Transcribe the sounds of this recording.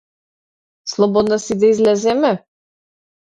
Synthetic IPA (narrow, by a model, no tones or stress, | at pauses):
slˠɔbɔd̪nasid̪aizlɛzɛmɛ